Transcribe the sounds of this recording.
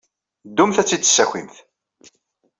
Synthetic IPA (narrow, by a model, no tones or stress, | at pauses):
d̪ːumθæt͡sːid̪ːə̥sːæçʷḭmθ